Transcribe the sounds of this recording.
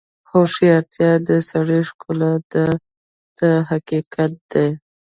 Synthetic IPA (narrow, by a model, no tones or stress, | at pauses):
xoʃiaɾt̪jɑd̪əsaɽeʃkʊlad̪a | d̪̥əɦakikat̪̚d̪̥e